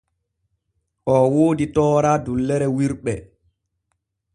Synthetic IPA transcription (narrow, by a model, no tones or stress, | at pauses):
ʔɔwoːditɔːɾadulːɛɾɛwiɾɓɛ